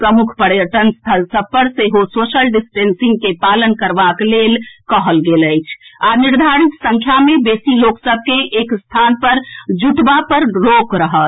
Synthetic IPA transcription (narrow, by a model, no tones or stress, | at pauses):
pɾəmukʰpəɾjəʈənst̪ʰəlsəb̚pəɾseɦososəlɖisʈensĩŋɡ̚kepalənkəɾbaklelkəɦəlɡeləjt͡ʃʰaniɾd̪ʱaɾit̪sə̃ŋkʰjamebesiloksəb̚ʱkeʔekst̪ʰanpəɾd͡ʒuʈbapəɾɾokɾəɦət̪ʰ